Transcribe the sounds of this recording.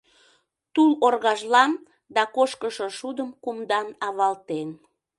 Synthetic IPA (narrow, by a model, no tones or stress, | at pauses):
t̪ulorɣɑʒlɑn | d̪ɑkoʃkəʃoʃud̪əmkumd̪ɑnɑβɑlt̪en